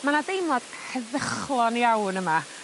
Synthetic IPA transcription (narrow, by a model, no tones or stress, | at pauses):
manadejmɔd̥ | həðəχlˠɔnjawnəma